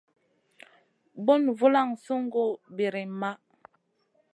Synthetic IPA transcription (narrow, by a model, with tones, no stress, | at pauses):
bo˦nvu˦la˦˨ŋsu˦ŋ˦ɡo˦˨be˨ɾi˨ma˦